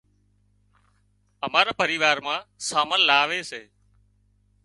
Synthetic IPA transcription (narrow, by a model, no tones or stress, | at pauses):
əmaːɾaːpəɾiːʋaːɾmãːsaːməllaːʋeːseː